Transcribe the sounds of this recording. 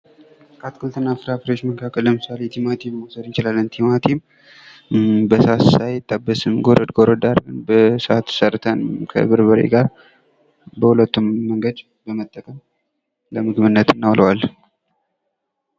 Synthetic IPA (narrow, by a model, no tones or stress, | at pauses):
kʰʼat̪kʰɨlt̪ʰɨnːafɨɾafɨɾot͡ʃːməŋkʰakʼəllːəmɨsalet̪ʰimat̪ʰimːosəd̪ɨnt͡ʃɪlalːɨnt̪ʰimat̪ʰim | bəsassajɪt̪ʼːabːəsɨmɡoɾəd̪ɡoɾəd̪aɾbɨnbəsʔat̪ʰːɨ̥səɾt̪ʰənɨmkʰə̰βɨɾbəɾḛɡaɾ | bəhulət̪ːumːəŋɡəd̪ | bəmət̪ʼːəkʼəm | ləmɨɡmɨnːət̪ɨnːawlʔəwal